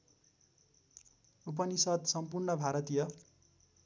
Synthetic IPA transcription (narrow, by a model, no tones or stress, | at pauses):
up̬ʌnisʌd̪sʌmpurɳʌbʱaɾʌt̪ijʌ